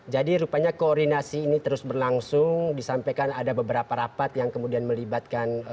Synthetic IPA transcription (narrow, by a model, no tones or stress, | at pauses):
d͡ʒadiɾupaɲakoːrdinasiːnit̪əɾʊsbərlaŋsʊŋdisampajkanadabəbəɾapaɾapat̪jaŋkəmudianməlibat̪̚kan